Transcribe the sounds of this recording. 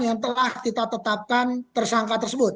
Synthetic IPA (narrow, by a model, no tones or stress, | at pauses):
jaŋt̪̬əlaht̪it̪at̪ət̪ap̚kant̪ərsaŋkat̪ərsəbʊt̪̚